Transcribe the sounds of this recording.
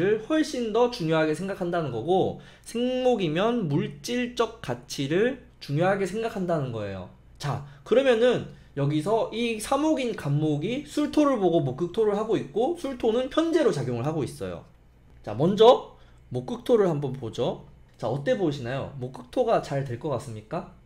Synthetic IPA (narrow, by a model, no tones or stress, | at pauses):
ɾɯɭɸwʌɭɕ͈indʌt͡ɕuŋjoɦaɡesʰe̞ŋɡakʰandanɯnɡʌɡo | sʰe̞ŋmoɡimjʌnmuɭt͡ɕ͈iɭt͡ɕ͈ʌk̚k͈at͡ɕʰiɾɯɭ | t͡ɕuŋjoɦaɡesʰe̞ŋɡakʰandanɯnɡʌe̞̰jo̰ | t͡ɕakɯɾʌmjʌnɯn | jʌɡisʰʌʔisʰamoɡinkamːoɡisʰuɭtʰoɾɯɭboɡomok͈ɯk̚tʰoɾɯɭhaɡoik̚k͈osʰuɭtʰonɯnɸʰjʌnd͡ʑe̞ɾot͡ɕaɡjoŋɯɭɦaɡois͈ʌ̰jo̰ | t͡ɕa̰mʌnd͡ʑʌ | mok͈ɯk̚tʰoɾɯɭhambʌnpod͡ʑo | t͡ɕaʌt͈e̞boɕʰinajo̰mok͈ɯk̚tʰoɡat͡ɕaɭtwe̞ɭk͈ʌk͈as͈ɯmɲik͈a